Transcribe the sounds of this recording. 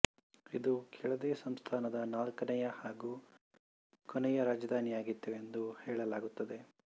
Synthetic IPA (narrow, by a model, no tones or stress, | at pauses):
id̪ukʰɛɭɐd̪eːsɐmst̪ʰaːnɐd̪ɐnaːlkɐnɐjɐhaːɡuː | kɔnɛjɐɾaːd͡ʒɐd̪ʱaːnijaːɡit̪ːuend̪uhɛːɭɐlaːɡut̪ːɐd̪e̞